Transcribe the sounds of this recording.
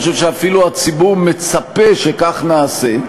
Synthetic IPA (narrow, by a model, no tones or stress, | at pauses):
oʃevʃeafiluat͡sibuʁme̞t͡sapeʃekaχnaːse